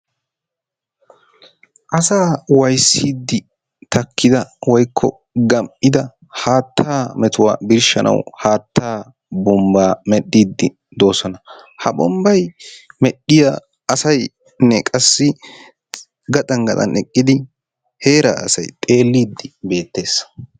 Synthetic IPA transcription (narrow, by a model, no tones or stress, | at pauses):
ʔɐsaːwɐjsːiːd̪ːɪ | t̪ɐkːɪd̪ɐwɔjkʰːɔ̰ | ɡɐmpʼːɪd̪ɐ | haːt̪ʰːaːmɛt̪ʊwa̰ːbɪɾʃɐ̰nʔɐ̰whaːt̪ʰːaː | bɔmbaːmɛɗːiːd̪ːɪ | d̪o̞ːsɔnɐhɐbɔmbɐjmɛɗːɪja | ɐsɐj | nɛkʼɐsːɪ | ɡɐt̪ʼɐŋɡɐt̪ɐ̰nɛkʼːɪd̪ɪ | he̞ːɾa̰ːɐ̰sɐ̰jt̪ʼe̞ːlːiːd̪ːɪbe̞ːt̪ːe̞ːs